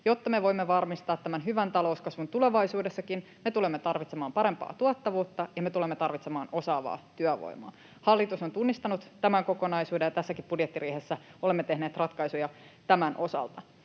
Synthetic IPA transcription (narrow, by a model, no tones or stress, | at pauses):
jot̪ːɑmeʋo̞imːeʋɑrmist̪ɑːt̪ːæmænɦyʋænt̪ɑlo̞uskɑsʋunt̪ule̞ʋɑijsuːdesːɑkin | met̪ulemːet̪ɑrʋit̪semɑːmpɑɾe̞mpɑ̰ːt̪uɑt̪ːɑʋuːt̪ːɑjɑmet̪ulemːet̪ɑrʋit̪semɑːno̞sɑːʋɑ̰ːt̪yæʋo̰imo̰ː | hɑlːit̪usont̪unːist̪ɑnut̪t̪æmæŋko̞ko̞nɑisuːdejɑt̪æsːækipb̥udjet̪ːiɾiːhesːæolemːet̪eɦneːt̪rɑt̪kɑisujɑt̪æmænʔo̞sɑ̰lt̪ɑ